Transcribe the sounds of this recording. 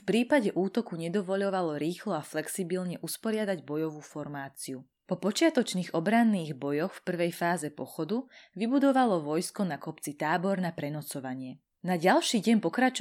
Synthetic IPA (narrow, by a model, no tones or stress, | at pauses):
fpɾiːpaɟɛʔuːt̪ɔkuɲɛd̪ɔʋɔʎɔʋalɔɾiːxlɔaflɛksibilɲɛʔuspɔɾɪad̪aɟbɔjɔʋuːfɔɾmaːt͡siu | pɔpɔt͡ʃɪat̪ɔt͡ʃniːɣɔbɾanːiːɣbɔjɔxfpr̩ʋɛjfaːzɛpɔxɔd̪uʋibud̪ɔʋalɔʋɔjskɔnakɔpt͡sit̪aːbɔɾnapɾɛnɔt͡sɔʋaɲɪɛ | naɟalʃiːɟɛɲpɔkɾat͡ʃ